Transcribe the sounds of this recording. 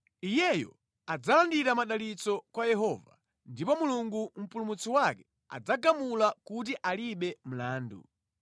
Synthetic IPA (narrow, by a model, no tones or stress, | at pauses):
ijɛjɔ̰ | ad͡zalandiɾamaɗalit͡sɔkwajɛɦɔva̰ | ndipɔmuluŋɡum̩pulumut͡siwakɛ | a̰d͡zaɡamulakut̬iʔaliɓɛm̩laːndṵ